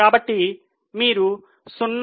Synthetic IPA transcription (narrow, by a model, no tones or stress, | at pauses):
aːbɐʈːi | miːɾu | sunː